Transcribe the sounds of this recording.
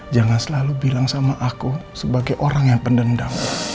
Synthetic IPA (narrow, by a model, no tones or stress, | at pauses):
d͡ʒaŋansəlalubilaŋsamaʔakusəbaɡajʔoɾaŋjaŋpəndəndaŋ